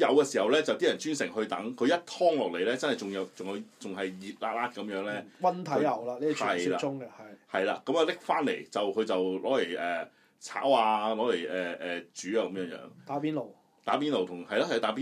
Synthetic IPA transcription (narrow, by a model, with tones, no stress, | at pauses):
jɐ˨˧wkɛː˧si˨˩hɐ˨wlɛː˥t͡sɐ˨wt̪iː˥jɐ˨nt͡ʃyː˥nsɪ˨˩ŋɦɵ˧ɥt̪ɐ˨˥ŋkʰɵ˧ɥjɐ˥t̚t̪ʰɔː˥ŋlɔː˨k̚le˨jlɛː˥t͡sɐ˥nhɐ˨jt͡sʊ˨ŋjɐ˨˧wt͡sʊ˨ŋjɐ˧wt͡sʊ˨ŋɦɐ˨jjiː˨˩t̚la̰ː˧k̚laː˧kːɐ˨˧˥mjœː˨˥ŋlɛː˥wɐ˥nt̪ʰɐ˨˧˥jlɐ˨˩wlaː˧liː˥˨ɐ˨jlaː˧ʊ˥ŋɛ˧hɐ˨jhɐ˨jla̰ː˧kɐ˨˥maː˨˧lɪ˥k̚faː˥nlḛ˨˩jt͡sɐ˨wkʰɵ˨˧ɥt͡sɐ˨wlɔː˨˥le˨˩jɛː˨˩ | t͡sʰa̰ː˨˥waː˧lɔː˨˥le˨˩ʔɛː˨ʔɛː˨t͡ʃyː˨˥aː˧kɐ˨˦mjœː˨˥ŋjœ̰ː˨˥ŋt̪aː˨˥piː˥nlo˨˩w | t̪aː˨˥p̬iː˥nlo˨wt̪ʰʊ˨˩ŋhɐ˨jlaː˧˥hjt̪aː˨˥p̬iː˥